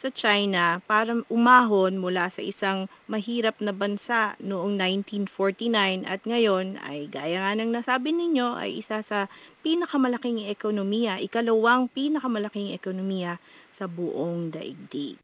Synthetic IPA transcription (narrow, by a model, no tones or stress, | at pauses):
sɐt͡ʃajnɐpaːɾɐʔʊmaːɦonmʊlasɐ̰ʔɪsaŋ | mɐɦiːɾɐp̚nɐbɐnsaʔnoʔoŋnajnt̪infoɹt̪inajnʔɐ̰t̪̚ŋɐjo̞nɐ̰jɡaːjɐŋanɐŋnɐsaːbɪnɪɲo̞ʔɐ̰jʔɪ̰sasɐpiːnɐkɐmɐlɐkɪŋɛkonomiːjɐʔɪkɐlɐwaŋpiːnɐkɐmɐlɐkɪŋɛ̰konomiːjɐsɐbʊʔoŋd̪ɐ̰ʔɪ̰ɡ̚d̪i